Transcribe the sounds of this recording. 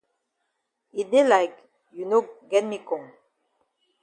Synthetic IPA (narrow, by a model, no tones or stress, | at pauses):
id̪elajk | junoɡɛt̚mikɔ̃ŋ